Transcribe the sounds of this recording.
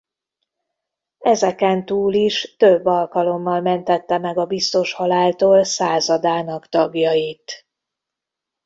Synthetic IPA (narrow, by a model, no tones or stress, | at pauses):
ɛzɛkɛnt̪uːliʃt̪øbːɒlkɒlo̞mːɒlmɛnt̪ɛt̪ːɛmɛɡɒbist̪o̞ʃhɒlaːlt̪oːlsaːzɒd̪aːnɒkt̪ɒɡjɒjit̪